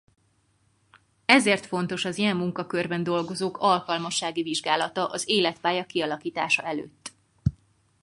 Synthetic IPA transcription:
ɛzeːrt̪fo̞nt̪o̞ʃɒzijɛmːuŋkɒkørbɛnd̪o̞lɡo̞zoːkɒlkɒlmɒʃːaːɡiviʒɡaːlɒt̪ɒʔɒzeːlɛt̪paːjɒkiɒlɒkiːt̪a̰ːʃɒɛlø̰ːt̪ː

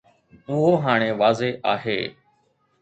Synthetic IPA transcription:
ʊɦoːɦaːɽ̃eːʋaːzeːʔaːɦḛː

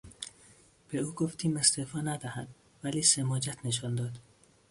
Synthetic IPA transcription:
b̥e̞uːɡoft̪ʰiːmest̪ʰefɒːnæd̪æhæd̪ | væliːsemɒːd͡ʒæt̪ʰneʃ̬ɒnd̪ɒːd̪

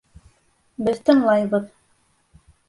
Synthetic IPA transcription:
bɘðt̪ɤ̆ɴlˠɑjβɤð

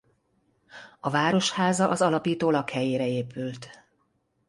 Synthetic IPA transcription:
ɒvaːɾo̞ʃhaːzɒʔɒzɒlɒpiːt̪oːlɒkhɛjeːɾɛeːpylt̪

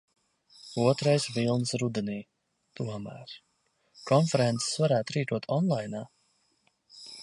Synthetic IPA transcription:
uɔt̪ɾajsvilˠnsɾud̪eniː | t̪uɔmæ̰ːɾ | kɔnfɛɾɛnt̪se̥svaɾæːt̪ɾiːkuɔt̪ʰɔnlˠajnaː

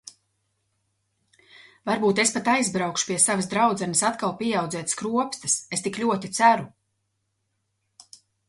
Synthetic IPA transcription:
vaɾbuːt̪espat̪ajzbɾawkʃu̥piɛsavəsd̪ɾawd̪zɛnəsat̪kalˠpʲiɛawd̪zɛːt̪skɾuɔpst̪ɨsest̪iklʲuɔt̪it̪sæɾu

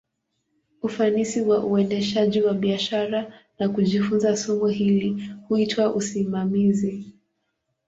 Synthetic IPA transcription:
ufanisiwaʔuɛndɛʃaʄiwaɓiaʃaɾanakuʄifunzasɔmuɦilihuitwaʔusimamizi

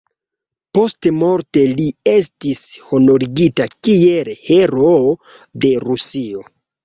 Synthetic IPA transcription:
po̞stmo̞ɾte̞lie̞stisho̞no̞ɾiɡitakielheɾode̞ɾusio̞

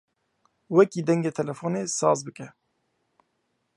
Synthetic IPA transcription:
wɛkiːd̪ɛŋɡeːt̪ʰɛlɛfoːneːsɑ̰ːzbɨkɛ

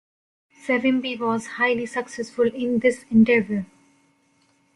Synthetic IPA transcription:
sɛʋɪ̃nbiʋɔːzhaɪlisʌksɛsfʊlɪ̃nd̪ɪsɛ̃ɳɖɛvəl

